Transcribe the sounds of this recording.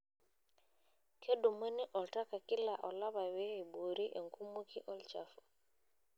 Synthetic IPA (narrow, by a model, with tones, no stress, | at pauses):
kʰe˦ɗu˨mə˦ni˦ʔɔ˨lta˦ka˨ki˦la˨ʔɔ˨la˦βa˨wɛ˦e˨bo˨ɾi˦ʔe˨ŋku˦mu˦kʰi˦ʔɔ˦lt͡ʃa̰˨fu̥˨